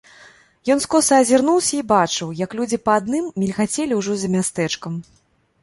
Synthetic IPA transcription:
jɔnskɔsɐːzʲirnuwsʲɐibat͡ʂɨwjɐklʲud͡zʲipɐad̪nɨmːʲilʲxat͡sʲɛlʲiwʐɔzɐmʲast̪ɛt͡ʂkɐm

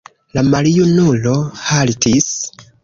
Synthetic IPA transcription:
lamalijunulohalitis

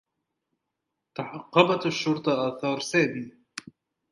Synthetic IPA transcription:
t̪ɑħɑqːɑbɑt̪aʃːʊɾt̪ˤɑʔaθɑːɾˤsaːbiː

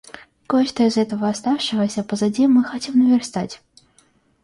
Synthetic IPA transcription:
kot͡ɕt̪əɪzɛt̪əvəɐst̪afʂɨvəsʲəpəzɐdʲimːɨxɐtʲimnəvʲɪrst̪atʲ

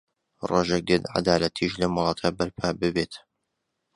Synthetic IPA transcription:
roʒek̚d̪et̪ʕa̰d̪aːlɐt̪ʰiʃlɐmʊlˠɑːt̪ʰabɐɾpʰaːbɨbet̪

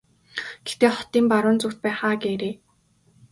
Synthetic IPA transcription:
ɡ̥et̪eːχɔ̥t̪iːmpaɾʊːnt͡suxt̪̚pæːχaːɡeːɾeː

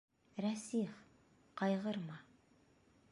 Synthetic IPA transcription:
ɾæsiχ | qʰɑjʁɤɾmɑ

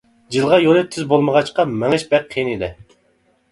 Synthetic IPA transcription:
d͡ʒilˠʁɑjonɨt̪ʰːyzbolˠməʁɑt͡ʃqɑmɛŋɨʃbɛk̚qʰːenilɛ

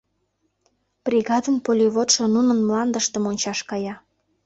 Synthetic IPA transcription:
b̥rʲiɣɑd̪ənpolʲiβot̪ʃŏnunənmlɑnd̪əʃt̪ə̆monʲt͡ɕɑʃkɑjɑ

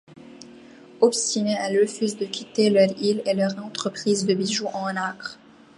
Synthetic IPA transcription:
ɔpst̪ineɛləfyzd̪əkʲʰit̪elœʁilelœʁɑ̃t̪χəpχiːzd̪əbiʒuʔɑ̃nakχ

